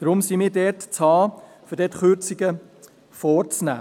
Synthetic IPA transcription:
d̪̥ɾʊmsimɪːɾdɛtt͡shɑː | fʏɾdɛtχʏɾt͡siɡə | fɔːɾt͡snæ̰ː

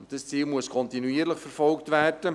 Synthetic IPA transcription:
ntd̥əst͡siːlmuəskʰɔntinuiəɾləχfɛɾfɔlktvæːrd̥ə

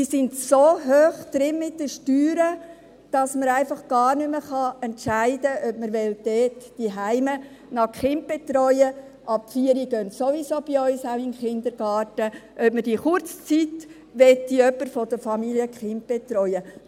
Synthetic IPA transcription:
isɪntsoːɦøːχd̪̥ɾɪnmɪt̚dəʃtyːɾə | d̥ɑsməɾæɪfɑχɡ̥ɑːɾnʏməχɑɛntʃæɪdəœpməɾʋɛld̥ɛːtd̥iɦæɪmə | nɑkχɪnp̚b̥et̪ɾɔʏə | ʔɑpfiːəɾiɡ̥œntsoʋisoːb̥iœʏsawɪnχɪnd̪əɾɡ̥ɑːtəʔœpməd̥iχʊɾt͡st͡sit | ʋɛtːiœpːəɾfɔd̥əfɑmiliəkχɪnp̚b̥etɾɔʏə

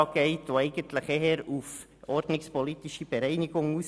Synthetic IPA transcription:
ɑɡ̥ɛɪtʋoɛɪɡ̥əntləχeɦəɾuf | ɔrd̥nɪkspɔlitɪʃib̥əɾɛɪnɪɡ̥ʊŋuːs

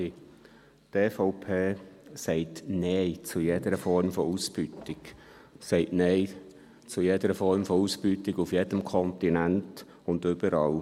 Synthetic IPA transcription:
teːfɔʊpʰeːsɛɪtneɪt͡sujed̥əɾəfɔɾmfɔuːsb̥ytɪk | sɛɪtneɪ | t͡sujedəɾəfɔɾmfɔuːspytɪɡufjed̥əmkʰɔntinænt | ʊndʏbəɾɑːl

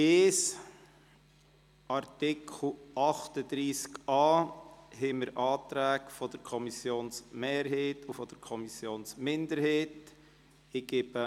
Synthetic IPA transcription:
eːs | ʔɑɾtɪkʰl̩ʔɑχtəd̪ɾiːskɑːɦɛməɾʔɑːtɾæːkfɔd̥əɾkʰɔmisjoːnsmeːɾɦeːtʰufɔd̥əɾkʰɔmisjoːnsmɪndəɾheːt | ɪɡ̥eb̥ə

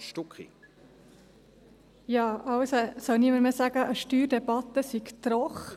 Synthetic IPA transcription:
ʃtʊkḭ | jɑːʔɑwsəsœwniməɾmɛsæɡ̥əʔəʃtyːɾdɛbɑt̪ːəsiɡt̪ɾɔχ

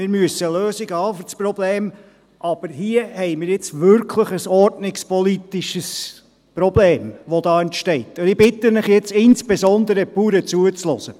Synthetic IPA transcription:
mɪɾmyəsəløːziɡəhɑːfysprɔbleːm | ʔɑb̥əɾɦiəhɛɪmɪːɾjɪt͡sʋʏɾkʰləχəsɔɾtnɪkspɔlit̪iʃəs | prɔbleːmʋod̥̪ɑːɛntʃtɛɪt̪ːɪbɪt̪ənəχjɛt͡sɪnsb̥ezɔnd̪əɾəpuːɾət͡suət͡slɔzə

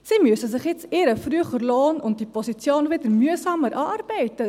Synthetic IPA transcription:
siːmyəsəsɪχjɛt͡sɪɾəfryəχəɾloːnʊnt̚d̥ipʰosit͡sjoːnvɪdəɾmyəsɑːməɾʔɑːʔɑrbɛɪtə

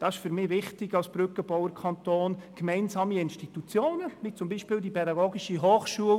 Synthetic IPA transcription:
d̥ɑɪʃfyɾmɪːʋɪχtɪɡ̥ɑlsb̥ɾʏkəb̥ɔwəɾkʰɑntoːnkmɛɪnzɑːmiɪnʃtitut͡sjoːnəmit͡sʊmbiːʃpɪːldipʰɛdɑɡoːɡiʃiɦoːχʃuəl

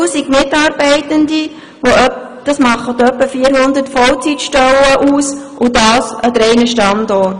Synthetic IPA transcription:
siɡmɪtɑːɾbɛɪtəndi | ʋoœ | d̥ɑsmɑχːətœpːəfiːəɾhʊnd̪ətfɔlt͡sitʃtœləʔuːsʔʊdɑːsədɾɛɪnəʃtɑndɔrt

